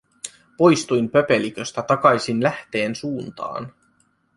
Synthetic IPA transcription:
po̞jst̪ujmpø̞pe̞likø̞st̪æt̪ɑkɑjsinlæht̪e̞ːnsuːnt̪ɑ̰ːn

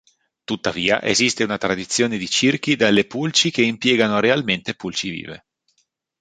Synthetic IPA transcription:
t̪ut̪ːaviːa̰ʔḛzist̪eunat̪ɾad̪it̪sːjoːned̪it͡ʃirk̟id̪alːepult͡ʃik̟eimpjɛːɡanoɾealment̪epult͡ʃivḭːvḛ

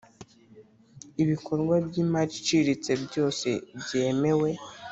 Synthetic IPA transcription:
iβikʰo̞ɾɡwabjiːmat͡ʃi̥t͡ʃiɾit͡se̞bjo̞ːse̞̰bje̞ːme̞we̞

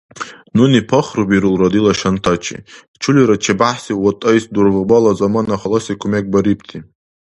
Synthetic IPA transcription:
nunipʰɐχrɨbiɾɨlrad̪ilaʃantʰat͡ʃʰḭ | t͡ʃʰuliɾat͡ʃʰibaħsiwɔtʼajsd̪urvɨbalazamanaχalasikʷʰumeɡ̚ʼbaɾipʰt̪ʰi

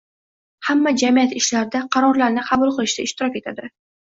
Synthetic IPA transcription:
hamːad͡ʒamijat̪ɪʃlaɾɪd̪aqʰɑɾɒɾlaɾnɪqʰɑbʊlˠqɨlˠɪʃt̪aɪʃt̪ɪɾɒkʲe̞t̪ʰad̪ɪ

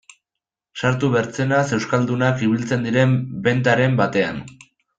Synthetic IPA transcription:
saɾt̪uβeɾt͡se̞nase̞wskald̪unakiβilt͡se̞nd̪iɾe̞mbe̞nt̪aɾe̞mbat̪e̞a̰n

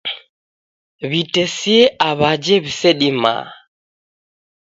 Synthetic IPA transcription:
βitɛsiɛʔaβad͡ʒɛβisɛɗima̰ː

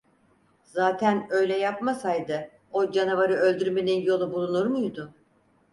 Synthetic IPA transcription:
zaːt̪ʰænø̞jlʲɛjapmasajd̪ɯ | o̞d͡ʒanuvaɾɯø̞lʲd̪yɾme̞ninjo̞lˠubulˠunuɾmujd̪ʊ

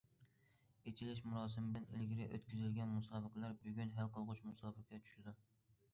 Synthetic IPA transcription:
et͡ʃʰilɪʃ̬muɾɑːsɨmɪblɪnḛlɡʲiɾɪʔø̰t̪kʲʰyzɪlɡʲɛnmusɑːbɨqlˠɑɾbyɡʲynɦælqəlˠʁʊt͡ʃmusɑːbɨqʰʲɛt͡ʃʰy̥ʃɪd̪u

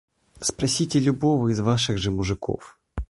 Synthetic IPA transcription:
spɾɐsʲitʲɪlʲʊbovɨizvaʂɨɣʐɨmʊʐɨko̰f

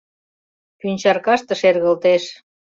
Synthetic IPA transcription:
pynʲt͡ɕɑrkɑʃt̪ə̆ʃerɣə̆lt̪eʃ

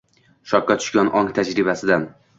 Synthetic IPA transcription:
ʃɒp̚kat̪ʰʊ̥ʃkʲanʔɒŋt̪ʰad͡ʒɾɪbasɪd̪an

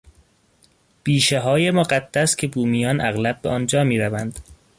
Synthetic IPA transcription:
b̥iːʃeɦɒːjemoɢæd̪̥ːæscʲʰebuːmijɒːnʔæɣlæb̚beʔɒːnd͡ʒɒːmiːɾævænd̪̥

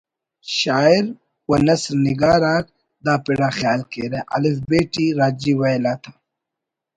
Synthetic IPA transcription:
ɕaːiɾ | wɐnɐsɾniɡaːɾaːk̚ | d̪aːpiɽaːxjaːlkeːɾeʔɐ̰lifbeːʈiɾaːd͡ʑiːwɐjlaːt̪ʰḁː

